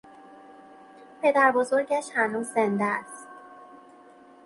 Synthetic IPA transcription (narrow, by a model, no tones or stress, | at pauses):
pʰe̞d̪æɾbo̞zo̞ɾɟæʃhænuːzːend̪æst̪